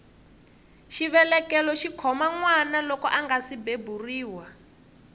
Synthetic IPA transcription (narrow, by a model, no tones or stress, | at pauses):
ʃiβɛlɛkɛlɔʃikʰɔmaŋwanalɔkɔʔaŋɡasibeburiːwa